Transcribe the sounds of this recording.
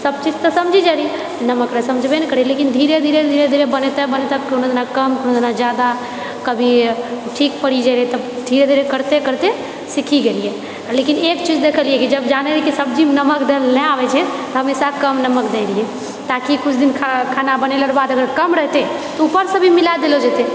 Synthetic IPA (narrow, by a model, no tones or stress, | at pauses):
səb̚t͡ʃid͡ʒt̪ɔsəmd͡ʒʱid͡ʒaliɛ | nəməkɾəɦɛsəmd͡ʒʱbenɛkəɾielekind̪ʱiɾed̪ʱiɾed̪ʱiɾed̪ʱiɾebənet̪ɛbənet̪ɛbkonod̪enakəmkonod̪enad͡ʒjad̪a | kəbʱiʈʰikpəɽid͡ʒalɛt̪ɔbd̪ʱiɾed̪ʱiɾekəɾt̪ekəɾt̪e | sikʰiɡelijɛ | lekinekt͡ʃid͡ʒd̪ekʰəliɛkid͡ʒəbd͡ʒanelikisəb̚d͡ʒimnəməkd̪elnɛabɛt͡ʃʰɛt̪ɔɦəmesakəmnəməkd̪eliɛ | t̪akikʊt͡ʃʰd̪inkʰakʰanabəneləɾbad̪əɡəɾkəmɾəɦt̪e | t̪ɔupəɾsə̃bʱimilad̪elod͡ʒet̪e